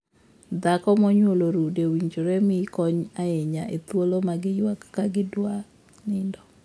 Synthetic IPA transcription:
d̪akɔmɔɲwoloɾudewiɲd͡ʒoɾɛmɪkɔɲaeɲaet̪wolomaɡɪjwakːaɡɪdwa | nɪndɔ

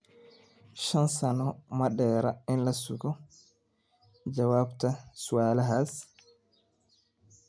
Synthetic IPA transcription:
ʃansanɔmaɗɛːɾaɛnlasuɡɔ | d͡ʒawabtasuwaːlaɦas

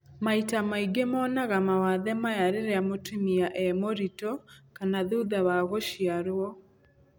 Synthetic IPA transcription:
maitamaiɡemɔːnaɣamawaðɛmajaɾeɾeamotumiaʔɛmoɾitɔkanaðuðaβaɣoʃiaɾwɔ

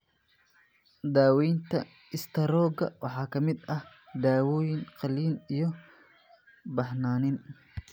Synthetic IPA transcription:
d̪aːwɛjnt̪ʰɐ | ɪst̪ʰɐɾɔːɡɐ̰wʔɑħɑːkʰɐmɪd̪ɐh | d̪aːwɔːjɪnqɑliːnijɞ | bɑħnaːnɪn

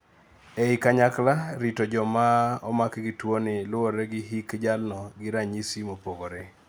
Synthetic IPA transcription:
eikaɲaklaɾitod͡ʒɔmaɔmakɡitwonɪlʊoɾeɡɪɦikd͡ʒalnɔɡɪɾaɲisimopoɡoɾe

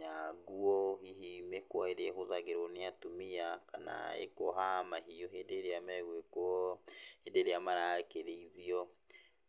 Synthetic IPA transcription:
ɲaɡuɔhihimekwaeɾeɛɦoðaɣeɾoneatomiakana̰ḛkɔɦamaɦijoɦedeɾeamɛɣwekwɔ | edeɾeamaɾakeðeiðiɔ

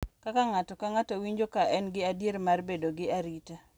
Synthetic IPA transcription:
kakaŋatɔkaŋatowiɲd͡ʒokaɛnɡɪadjeɾmarbedoɡɪaɾita

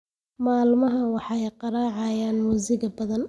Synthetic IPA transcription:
maːlmɐɦɐwɑħɑɛjqɑɾɑːʕɑjaːnmuːsɪɣɐbɐðɐn

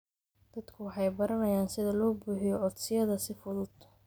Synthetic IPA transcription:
d̪̥ɐd̪kʰʊwɑħɑjbɐɾɐnɐjaːnsɪðɐlɔːbuːħɪjɔʔɔd̪sɪjɐðɐsɪfʊðʊd̪

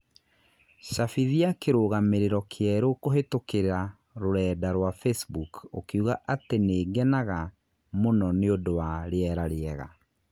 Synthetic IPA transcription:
ɕafiðiakeɾoɣameɾeɾɔkʰeɛɾokoɦetokeɾɾa | ɾoɾɛːdaɾwafesbukokeuɣaʔateneːɡɛnaɣa | monɔneodowaɾeɛɾaɾeɛɣa̰

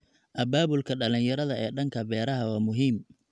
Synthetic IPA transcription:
ʔɐbaːβʊlkʰɐɖɐlɪnjɐɾɐðɐɛːɖɐŋkʰɐbɛːɾɐɦɐwɑːmʊɦiːm

